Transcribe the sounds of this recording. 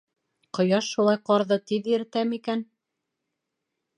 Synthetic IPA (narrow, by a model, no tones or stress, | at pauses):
qŏjɑʃːulˠɑjqɑɾðɤt̪iðiɾt̪æmikæn